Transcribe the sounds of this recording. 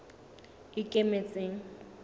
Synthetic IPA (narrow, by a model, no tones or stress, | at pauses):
ɪkʼemet͡sʼeːŋ̩